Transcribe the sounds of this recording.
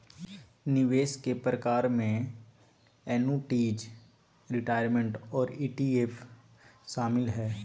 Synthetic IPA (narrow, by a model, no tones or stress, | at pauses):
nɪʋeːskepɾəkaːɾmẽ | ɛːnuʈiːd͡ʒ | ɾɪʈaːɪɾmẽɳʈɔːɾiːʈiːef | ʃaːmɪlɦɛː